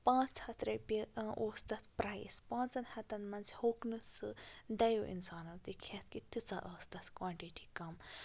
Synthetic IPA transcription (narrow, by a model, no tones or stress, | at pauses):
pãːt͡shɐt̪ɾɐpiʔoːst̪ɐt̪̚ʰpɾajspãːnt͡sɐnhɐt̪ɐnmɐnt͡ʃʰhoːknɨsɨd̪ɐjoʔḭnsaːnɐːt̪ikʰɐt̪̚ʰkit̪it͡saʔɐːst̪ɐt̪ʰkwaːɳʈiʈikɐm